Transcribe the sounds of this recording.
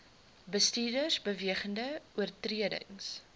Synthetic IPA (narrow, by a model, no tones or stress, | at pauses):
bəstiːrdərsbəviəχəndəuərtriədə̰ŋs